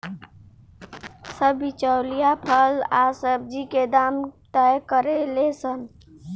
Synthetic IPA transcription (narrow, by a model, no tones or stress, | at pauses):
səbːit͡ʃəwlijapʰəlasəb̚d͡ʒiked̪amt̪əjkəɾelesən